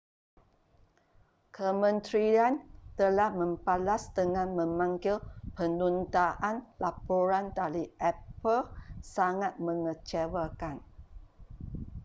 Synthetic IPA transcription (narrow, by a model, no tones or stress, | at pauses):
kʰəmə̃nt̪ɾiant̪əlahmə̃mpalasdəŋãnmə̃mãŋɡɪlpənunt̪aʔanlapoɾandaliʔɛpəlsaŋat̪̚mə̃ŋət͡ʃawakan